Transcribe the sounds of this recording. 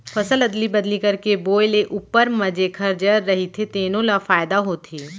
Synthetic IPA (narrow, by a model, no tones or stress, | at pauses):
fʰɐsəlɐd̪libɐd̪likɐɾkeboːjleʔʔuːpəɾmɐd͡ʒekʰɐɾd͡ʒəɾːɐɦit̪ʰet̪eːnõlafaːɪd̪aɦoːt̪ʰiː